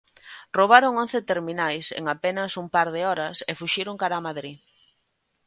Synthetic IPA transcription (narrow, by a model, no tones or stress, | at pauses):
roβ̞aɾoŋon̟θɪt̪eɾminajsḛŋapenɐsumpaɾðɪɔɾɐsefuʃiɾoŋkaɾaːmaðɾi